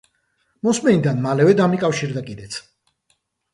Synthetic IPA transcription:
mɔsmɛnid̪anmalɛvɛd̪amikʼafʃiɾd̪akʼid̪ɛt̪sʰ

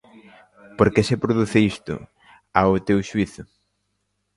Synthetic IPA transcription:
poɾkesepɾoðuθɪist̪ʊ̰ | aʊt̪ewʃuiθʊ

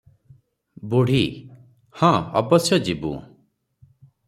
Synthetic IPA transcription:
buɽ̤i | hɔ̃ɔbɔsjɔd͡ʒibṵ

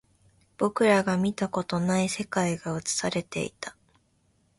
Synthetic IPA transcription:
b̥o̞kɯ̟ɾaɡamʲit̪ako̞t̪o̞naise̞kaiɡaɯ̟t͡sɨ̥saɾe̞t̪e̞̰ḭt̪ḁ

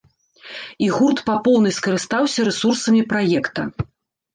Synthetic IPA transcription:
iɣurt̪papɔwnɨjskɐɾɨst̪awsʲɐɾɛsursɐmʲipɾajɛkt̪ɐ

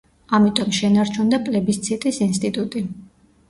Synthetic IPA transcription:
amit̪ʼɔmʃɛnaɾt͡ʃʰund̪apʼlɛbist̪sʰit̪ʼisinst̪ʼit̪ʼut̪ʼi

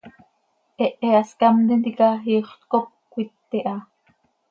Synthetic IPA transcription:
eʔeaskɑmd̪end̪ikɑɦiːχt̪kop̚kʷit̪ːeʔɑ

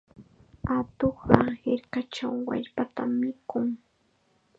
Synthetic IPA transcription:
at̪oχɢɑhɪɾkat͡ʃawːa̰ʎpat̪amːɪkʊŋ

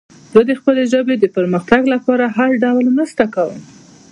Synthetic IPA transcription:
zəd̪əxpəleʒəbed̪əpəɾməxt̪aɡlapɑɾaɦalɖawlnəst̪akawəm

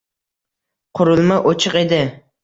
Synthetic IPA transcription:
qʰʊɾʊlˠmaʔot͡ʃʰɨqed̪ɪ

